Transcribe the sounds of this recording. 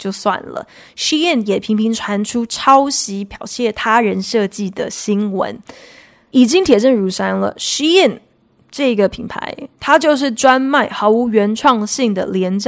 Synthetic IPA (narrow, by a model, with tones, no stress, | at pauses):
t͡ɕjo˥˧ʊswa̰˥˩nlə̰˩ | ʂi˥ɛ˥˩njɛ˨˩pʰi˧˥ŋpʰi˧˥ŋʈ͡ʂʰwa˧˥nʈ͡ʂʰu˥ʈ͡ʂʰɑ˥ʊɕi˧˥pʰjɑ˨˩ʊt͡ɕʰjɛ˥˩t̪ʰa˥ɻə˧˥nʂɤ˥˧t͡ɕi˥˩d̪ə˩ɕi˥nwə̰˧˦n | i˨˩t͡ɕi˥ŋt̪ʰjɛ˨˩ʈ͡ʂə˥˩nɻu˧˥ʂa˥nlə̰˨ʂi˥ɛ˥˩n | ʈ͡ʂɤ˥˩i˧˥ɡə˧˩pʰi˨˩ŋpʰa̰˧˥ɪt̪ʰa˥t͡ɕjo˥˧ʊʂ̬ɻ̩˥˩ʈ͡ʂwa˥nma˥˩ɪxɑ˧˥ʊu˧˥ɥɛ˧˥nʈ͡ʂʰwɑ˥˧ŋɕi˥˩ŋd̪ə̰˩ljɛ˧˥nʈ͡ʂ